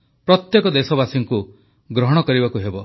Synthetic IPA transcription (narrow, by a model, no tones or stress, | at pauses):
pɾɔt̪jekɔd̪esɔbasiŋku | ɡɾɔɦɔɽ̃ɔkɔɾibakuɦebɔ